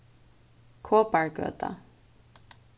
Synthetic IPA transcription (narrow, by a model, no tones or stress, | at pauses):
kʰoːpaɹɡø̰ːt̪ʰa̰